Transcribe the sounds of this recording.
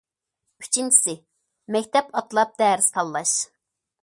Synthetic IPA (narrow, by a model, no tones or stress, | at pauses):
y̥t͡ʃʰint͡ʃʰi̥sɪ | mɛkʲt̪ʰɛpɑt̪ʰɨlˠɑp̚d̪̥ɛːɾɪst̪ʰɑlˠːɑʃ